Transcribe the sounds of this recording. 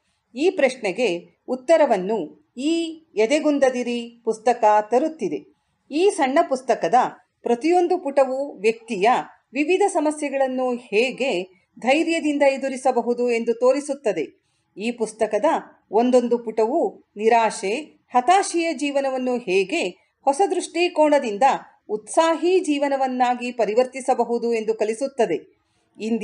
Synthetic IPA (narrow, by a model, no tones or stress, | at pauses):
iːpɾɐʂɳɛɡe̞ | ut̪ːɐɾɐʋɐnːu | iːɛd̪eɡund̪ɐd̪iɾipust̪ɐkɐt̪ɐɾut̪ːid̪e̞ | iːsɐɳːɐpust̪ɐkɐd̪ɐ | pɾɐt̪ijo̞nd̪upuʈɐʋuʋjɐk̚t̪ijɐ | ʋiʋid̪ʱɐsɐmɐsjɛɡɐɭɐnːuhɛːɡe̞ | d̪ʱɐjɾjɐd̪ind̪ɐed̪uɾisɐbɐɦud̪ue̞nd̪ut̪o̞ːɾisut̪ːɐd̪e̞ | iːpust̪ɐkɐd̪ɐ | o̞nd̪o̞nd̪upuʈɐʋuniɾaːʃe | hɐt̪aːʃijɐd͡ʒiːʋɐnɐʋɐnːuhɛːɡe̞ | hɔsɐd̪ɾuʂʈikɔːɳɐd̪ind̪ɐ | ut̪saːɦid͡ʒiːʋɐnɐʋɐnːaːɡipɐɾiʋɐɾt̪isɐbɐɦud̪ue̞nd̪ukɐlisut̪ːɐd̪e̞ | ind̪